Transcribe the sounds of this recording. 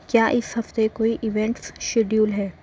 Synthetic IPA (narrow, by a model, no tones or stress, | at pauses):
kjaːʔɪsɦɐft̪ekoːiʔɪʋɛ̃ɳʈsʃeɖjuːlɦɛː